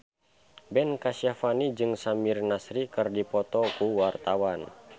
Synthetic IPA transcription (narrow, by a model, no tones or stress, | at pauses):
bɛnkasiafanid͡ʒɨŋsamirnasɾikɨrdipɔt̪ɔkuwart̪awan